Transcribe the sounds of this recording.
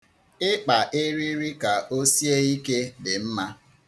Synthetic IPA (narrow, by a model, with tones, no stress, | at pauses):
ɪ˦k͡pa˨ʔɪ˦ɾi˦ɾi˦ka˨ʔo˦si˦e˦i˦ke˦dɪ˨m̩˦ma˦